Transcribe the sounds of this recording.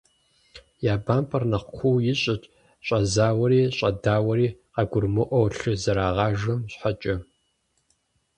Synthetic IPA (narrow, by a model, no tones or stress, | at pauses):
jaːbaːmpʰʼɐrnɐqʷqʷʰuwjɪɕʼɐt͡ʃʼ | ɕʼɐzaːwɐɾiːɕʼɐdaːwɐɾiːqɑɡʷʊrmɨʔʷɔwɬɨzɐɾaːʁɑːʒɐmɕħat͡ʃʼɐ